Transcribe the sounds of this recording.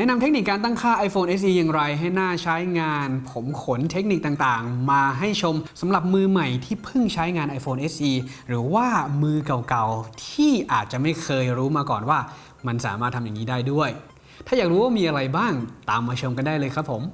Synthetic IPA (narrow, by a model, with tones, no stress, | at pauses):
nɛ˦˥˨na˧mt̪ʰe˦˥k̚ni˨˩kːaː˧nt̪a˥˩ŋkʰaː˥˩ʔa˧jfoː˧nʔe˦˥s̬ʔiː˧ja˨˩ŋɾa˧jɦa˥˩jnaː˥˩t͡ɕʰa˦˥jŋaː˧npʰo˩˦mkʰo˩˦nt̪ʰe˦˥k̚ni˨˩k̚t̪aː˨˩ŋt̪aː˨˩ŋmaː˧ɦa˥˩jt͡ɕʰo˧msa˩˦mɾa˨˩p̚mɯː˧ma˨˩jt̪ʰiː˥˩pʰɯ˥˩ŋt͡ɕʰa˦˥jŋaː˧nʔa˧jfoː˧nʔe˦˥sʔiː˧ɾɯː˩˦waː˥˩mɯː˧ka˨˩wka˨˩wt̪ʰiː˥˩ʔaː˨˩t̪̚t͡ɕa˨˩ma˥˩jkʰɤː˧jɾuː˦˥maː˧kɔː˨˩nwaː˥˩ | ma˧nsa̰ː˩˦maː˥˩t̪ʰːa˧ja˨˩ŋiː˦˥daː˥˩jdu˥˩əj | t̪ʰaː˥˩jaː˨˩k̚ɾuː˦˥waː˥˩miː˧ʔa˧ɾa˧jbaː˥˩ŋt̪aː˨˧mːaː˧t͡ɕʰɤoː˧mka˧ndaː˥˩jlɤː˧kʰa˦˥pʰːo˩˦m